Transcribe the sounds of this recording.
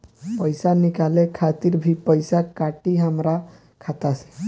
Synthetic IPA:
pəjsanikalekʰat̪iɾbʱipəjsakaʈiɦamɾa | kʰat̪ase̥

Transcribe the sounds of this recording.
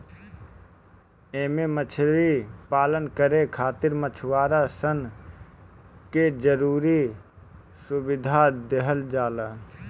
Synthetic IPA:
eːmemət͡ʃʰɾipaːlənkəɾekʰaːt̪ɪɾmət͡ʃʰwaːɾasən | ked͡ʒəɾuːɾi | sʊbɪd̪ʱad̪eɦəld͡ʒaːlaː

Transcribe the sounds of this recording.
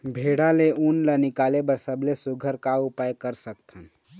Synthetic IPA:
bʱeɽaleunlənɪkalebəɾsəblesuɡʱəɾkaupajkəɾsək̚t̪ʰən

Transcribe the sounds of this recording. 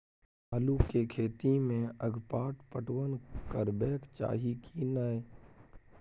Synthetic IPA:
əluːkekʰeːt̪imẽəɡʱpaːʈpəʈwənkəɾbɛːkt͡ʃa̰ːɦikʰinəe

